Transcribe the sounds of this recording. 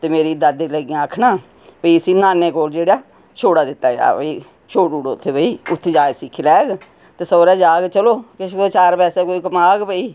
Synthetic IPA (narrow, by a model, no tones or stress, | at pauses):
t̪eːmeːɾiːd̪əd̪eləɡijãːəkʰnaː | pəiːəsĩːnaːneːkoːld͡ʒeːɽaː | t͡ʃʰoːɽaːd̪ɪt̪ːa̰ːd͡ʒa̰ːpəiː | t͡ʃʰoːʈuːɽoːt̪ʰːeːpəiːʊt̪ʰːed͡ʒaːsɪkʰːlɛːɡ | t̪eːsɔːɾɛːd͡ʒaːɡt͡ʃəloːkɪʃʰot͡ʃaːɾpɛːseːkoːiːkəmaːɡpəiː